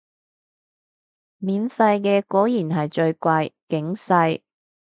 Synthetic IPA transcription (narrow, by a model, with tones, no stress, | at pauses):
miː˨˧nfɐ˧jkɛː˧kɔː˨˥jiː˨˩nɦɐ˨jt͡ʃɵ˧ɥkʷɐ˧jkɪ˨˥ŋsɐ˧j